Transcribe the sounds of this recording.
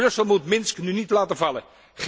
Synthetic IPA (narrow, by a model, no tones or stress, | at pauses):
rɵsəlˠmutmɪnsknynitlaːtəvɑlə̰ | χ